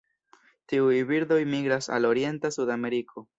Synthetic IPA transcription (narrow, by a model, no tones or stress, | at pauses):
tiujbiɾdo̞jmiɡɾasa̰lo̞ɾie̞ntasudame̞ɾikʰo̞